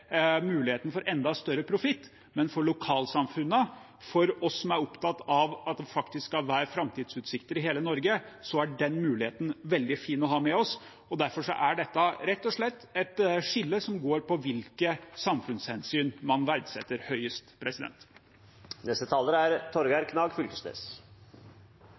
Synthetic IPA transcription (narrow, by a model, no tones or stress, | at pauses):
mʉːlɪheːt̪n̩fɔɾʔɛnd̪ɑst̪œɾːəpʰɾʊfɪt̪ː | mɛnfɔɭʊkʰɑːlsɑmfʉnːə | fɔɾɔsːɔmæɾɔpt̪ʰɑt̪ːɑʋɑt̪̚d̪ɛfɑkt̪ɪssɑlʋæːɾəfɾɑmt̪ʰiːd̪sʉːt̪sɪkt̪əɾɪɦeːlənɔɾɡəsɔæɖɛnmʉːlɪheːt̪n̩ʋɛld̪ɪfiːnɔɦɑmɛɔs | ɔd̪æɾfɔʂɔ̰ʔæɖɛt̪ːəɾɛt̪ːɔʂɭɛt̪ːɛt̪ʂɪlːəsɔmɡoːɾpɔʋɪlkəsɑmfʉnshɛnsyːnmɑnʋæɾd̪sɛt̪ːəɾhœʏəst̪pʰɾɛsɪd̪ɛ̰nt̪ | nɛst̪ət̪ʰɑːləɾæɾt̪ʰɔɾɡæɾkʰnɑːɡfʏlkəsnḛːs